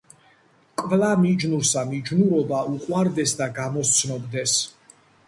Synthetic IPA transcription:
kʼvlamid͡ʒnuɾsamid͡ʒnuɾɔbauqʼwaɾd̪ɛsd̪aɡamɔst̪sʰnɔbd̪ɛs

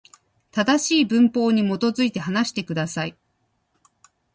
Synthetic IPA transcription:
t̪ad̪aɕiːbɯ̟̃mpo̞ːɲ̟imo̞t̪o̞zɨit̪e̞ɦanaɕi̥t̪e̞kɯ̟d̪asai

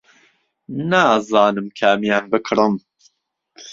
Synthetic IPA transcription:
naːzɑːnɨmkʰɐæmjaːnbɨkʰɾɨm

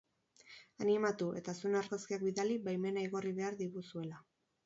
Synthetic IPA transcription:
animat̪uʔe̞t̪asunaɾɣaskiakbiðalibajme̞naiɣo̞riβe̞aɾðiɣusue̞la

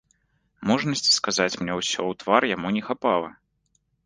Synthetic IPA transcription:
mɔʐnɐsʲt͡sʲi̥skazat͡sʲmnʲɛwsʲɔwt̪varjamunʲɛxapalˠɐ̰

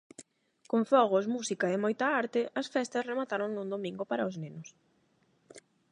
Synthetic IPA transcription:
koɱfɔɣ̞ʊsmusikɐɪmojt̪ɐaɾt̪ɪʔɐsfɛst̪ɐsremat̪aɾoŋnũnd̪omĩŋɡʊpaɾɐʊznenʊs

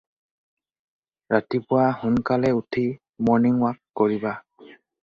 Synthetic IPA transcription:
ɹatipʊwahʊnkalɛutʰi | mɔɹniŋwakːoɹiba

